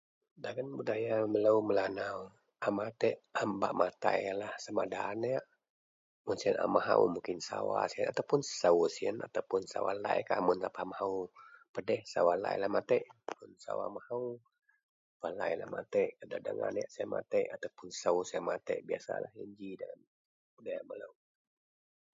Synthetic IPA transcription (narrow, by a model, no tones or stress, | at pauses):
daɡənbudajamələuməlanau | ʔamat̪ɛʔhamba̰ʔmat̪ajalahsəmadaːnjaʔ | mʊnsiənʔa̰maɦaṵmuŋkɪnsawasiənat̪aupʊnsəusiənat̪apʊnsa̰wa̰laɛ̰kaʔmʊnsapaamahaupədɛhsawalaɛlahmat̪ɛʔmʊnsa̰wa̰mahau | palaɛlahmat̪ɛʔadadəŋanjaʔsiamat̪ɛʔat̪aupʊnsəusiamat̪ɛ̰ʔbiasalahiɲd͡ʒidalam | udajamalaŋ